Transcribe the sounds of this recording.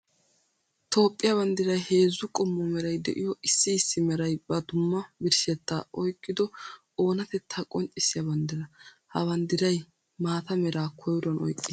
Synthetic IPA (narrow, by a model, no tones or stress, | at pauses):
t̪o̞ːpʼːɪjɐbɐnd̪ɪɾɐjhe̞ːzːʊkʼɔmːɔmɛɾɐjd̪ɛ̰ʔɪjɔʔɪsːɪːsːɪmɛɾɐjbɐd̪ʊmːɐbɪɾʃɛt̪ːaɔjkʼːɪd̪ɔ | o̞ːnɐt̪ɛt̪ʰːɐkʼɔnt͡ʃʼːɪsɪjɐbɐnd̪ɪɾɐ | hɐbɐnd̪ɪɾɐj | maːt̪ɐmɛɾaːkʰɔjɾɔnɔ̰jkʼːɪ